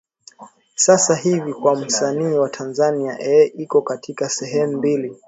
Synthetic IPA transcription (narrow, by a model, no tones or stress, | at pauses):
sasaɦivikwam̩saniːwatʰanzania̰ʔɛʔikɔkatʰikasɛɦɛmumbili